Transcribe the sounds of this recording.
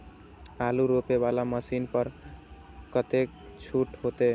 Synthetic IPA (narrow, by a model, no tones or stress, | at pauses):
aluɾopebalaməsinpəɾ | kət̪ek̚ | t͡ʃʰuʈɦot̪e